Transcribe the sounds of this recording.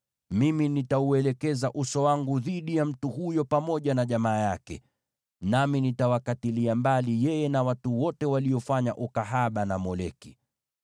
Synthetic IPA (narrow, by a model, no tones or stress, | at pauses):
miminitauɛlɛkɛzaʔusɔwaŋɡuðiɗijam̩tuhujɔpamɔʄanaʄamaːjakɛ̰ | naminitawakatiliambalijɛjɛnawatuwɔtɛwaliɔfaɲa̰ʔukaɦaɓanamɔlɛki